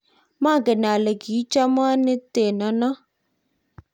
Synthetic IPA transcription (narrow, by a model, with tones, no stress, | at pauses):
ma˦˨ɡe˨n˨a˨le˨ɡi˨˦t͡ʃa˦m˦a˦nɪ˦te˨nɔ˨˦nɔ˦